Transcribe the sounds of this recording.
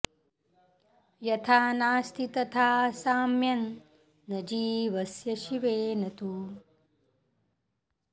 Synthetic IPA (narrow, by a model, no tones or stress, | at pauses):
jɐt̪ʰaːnaːst̪ʰit̪ɐt̪ʰaːsaːmjɐnː | ɐd͡ʒiːʋɐsjɐʃiʋeːnɐt̪u